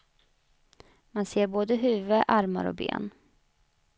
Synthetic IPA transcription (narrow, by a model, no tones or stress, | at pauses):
manseːɾboːd̪əɦʉ̟ːvəʔaɾma̰ɾɔ̰bḛːn